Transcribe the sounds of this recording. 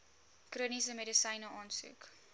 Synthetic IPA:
krənisəmɛdisɐjnəʔɑːnsʉ̰ːk

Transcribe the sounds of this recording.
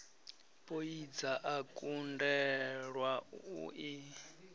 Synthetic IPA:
pʼoid͡zaʔakʼundɛɺwaṵʔi

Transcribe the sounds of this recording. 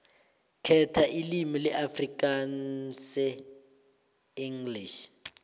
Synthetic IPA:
kʰɛtʰaʔilimilɛʔafrik̬ʼansɛ | iŋliʃ

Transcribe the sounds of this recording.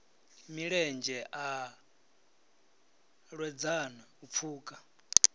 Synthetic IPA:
miɺɛnd͡ʒɛʔa | ɺwɛd͡zanɛup̪fʰuːkʼa

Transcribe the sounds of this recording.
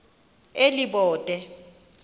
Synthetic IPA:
eliɓɔːtʼɛ

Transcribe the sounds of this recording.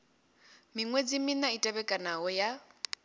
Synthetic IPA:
miŋwed͡ziminaitʼaβɛkʼanaɔja

